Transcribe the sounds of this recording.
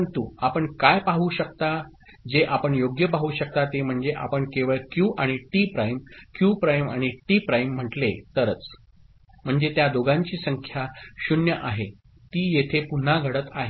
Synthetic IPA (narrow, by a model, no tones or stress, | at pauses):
nt̪uapəɳkajpaɦuɕək̚t̪a | d͡ʑeʔapəɳjoɡjəpaɦuɕək̚t̪at̪em̤əɳd͡zeʔa̰pəɳkeʋəɭkjuːʔaɽ̃iʈipɾajmkjuːpɾajmaɽ̃iʈiːpɾajm̤ːəʈlet̪əɾət͡s | m̤əɳd͡zet̪jad̪oɡãɲt͡ɕiːsəŋkʰjaɕunjəʔaɦe | t̪iːjet̪ʰepun̤aɡʱəɽət̪aɦe